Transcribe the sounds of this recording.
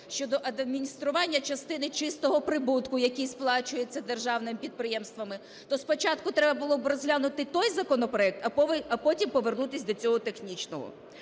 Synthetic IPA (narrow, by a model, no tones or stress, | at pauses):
ʃt͡ʃɔd̪ɔʔɐd̪ɐd̪mʲinʲist̪ɾʊʋɑnʲːɐt͡ʃɐst̪ɪnɪt͡ʃɪst̪ɔɦɔpɾɪbut̪kʊjɐkʲijsplˠɑt͡ʃʊjet͡sʲːɐd̪erʒɑwnɪmɪpʲid̪̚pɾɪjɛmst̪ʋɐmɪ | t̪ɔspɔt͡ʃɑt̪kʊt̪ɾɛbɐbʊlˠɔbɾɔzʲɦlʲanʊt̪ɪt̪ɔjzɐkɔnɔpɾɔɛk̚t̪ɐpɐpɔtʲimpɔʋernut̪ɪsʲd̪ɔt͡sʲɔɦɔt̪e̞xnʲit͡ʃnɔɦɔ̰